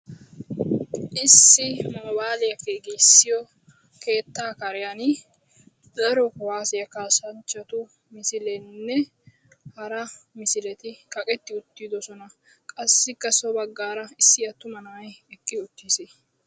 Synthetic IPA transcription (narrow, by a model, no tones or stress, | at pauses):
ʔɪsːɪmoːbaːlɪjɐkeːɡisːɪjɔ | ke̞ːt̪ːaːkɐɾɪjɐn | d̪̥ɐɾɔkɔwaːsɪjɐkaːsɐnt͡ʃːɐt̪ʊ | mɪsɪlɛnːɛ | hɐɾɐmɪsɪlɛt̪ɪkɐkʼɛt̪ːɪʊt̪ːid̪ɔsɔnɐ | kʼɐsːɪkːɐsɔbɐɡːaːɾɐɪsːɪjɐt̪ːʊmɐnɐwɐjɛkʼːɪʊt̪ːɪse